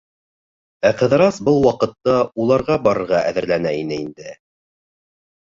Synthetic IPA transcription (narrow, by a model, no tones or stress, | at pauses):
æqɤ̆ðɾɑsbɤlˠwɑqɤ̆t̪ːɑulˠɑɾʁɑbɑɾɤ̆ɾʁɑʔæðɘ̆ɾlænæinɘind̪ɘ